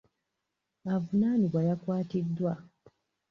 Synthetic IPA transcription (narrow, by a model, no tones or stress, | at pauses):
avunaːniβwajakwaːtidːwa